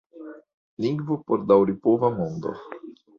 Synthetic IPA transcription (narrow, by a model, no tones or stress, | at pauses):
liŋɡvopoɾd̪awɾipovamõnd̪o̰